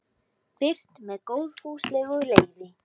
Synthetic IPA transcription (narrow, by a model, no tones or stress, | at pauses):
fɪr̥t̪mɛðkowðfuːslɛːɣʏleːjvɪ